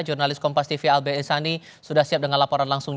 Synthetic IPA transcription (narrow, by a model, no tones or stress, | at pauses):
d͡ʒurnalɪskɔmpast̪ifialbeɛnsani | sudahsiap̚dəŋanlapɔɾanlaŋsʊŋ